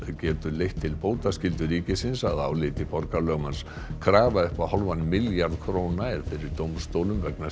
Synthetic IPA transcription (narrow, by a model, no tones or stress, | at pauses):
cɛːt̪ʏlejht̪ʰːɪlpoːwt̪ascɪlt̪ʏɾiːcɪsɪnsaða̰ːwlɪt̪ɪpɔɾkalœːɣmans | kʰɾaːvaʏhpaðhɔlvanmɪljaɾðkʰɾoːwnaɛɾ̥fɪɾɪɾt̪owmst̪owlʏmvɛkna